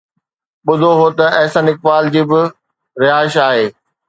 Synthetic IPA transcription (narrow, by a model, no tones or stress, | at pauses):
ɓʊd̪ʱoɦot̪ɐɛɦsə̃nɪk̚ʋaːld͡ʑiːbɪ | ɾɪaːɪʃaːɦeː